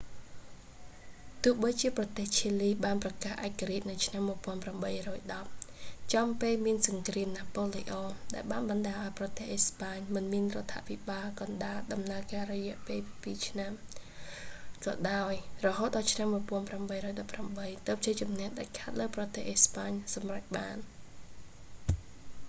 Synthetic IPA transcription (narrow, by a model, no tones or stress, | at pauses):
t̪ʊ̆əhɓəjt͡ɕiəprɑt̪eːht͡ɕʰiəliːɓaːnprɑkaːhʔaɛc̚kːaɾiəc̚nɨwt͡ɕʰnamːuəjpŏənpramɓəjrɔːjɗɑp̚t͡ɕɑmpeːlmiənsɑŋkriəmnaːpoːliʔɔːɗaɛlɓaːnɓɑnɗaːʔaɔjprɑt̪ehʔespaːɲmɨnmiənrŏət̪ʰːa̰pʰiɓaːlkɑnɗaːlɗɑmnaəkaːrɔjɛ̆əʔpeːlpiːt͡ɕʰnam | kɑ̰ːɗaɔjrɔɦoːt̪̚ɗɑːlt͡ɕʰnamːuəjpɔ̆ənpramɓəjrɔːjɗɑpːramɓəjt̪ɨːp̚t͡ɕiːt͡ɕumnɛ̆əhɗaɛlkʰaːt̪̚ləwprɑt̪ehʔespaːɲsɑmrac̚ɓaːn